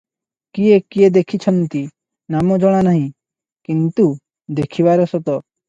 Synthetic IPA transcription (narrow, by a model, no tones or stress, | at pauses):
kiekied̪ekʰit͡ʃʰɔnt̪i | namɔd͡ʒɔɽ̃anaɦĩ | kint̪u | d̪ekʰiβaɾɔsɔt̪ɔ